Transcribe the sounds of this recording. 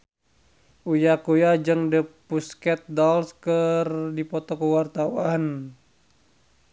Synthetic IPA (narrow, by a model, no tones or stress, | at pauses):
ʔujakujad͡ʒəŋdəpuskɛt̪̚dɔlskərdipɔt̪ɔkəwart̪auan